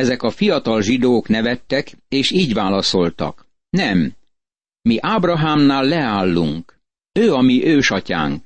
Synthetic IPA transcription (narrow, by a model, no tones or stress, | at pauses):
ɛzɛkɒfijɒt̪ɒlʒid̪oːknɛvɛt̪ːɛkeːʃiːɟʋaːlɒso̞lt̪ɒ̰k | nɛmː | iʔaːbrɒɦaːmnaːlːɛaːlːṵŋk | øːɒmiʔøːʃɒca̰ːŋk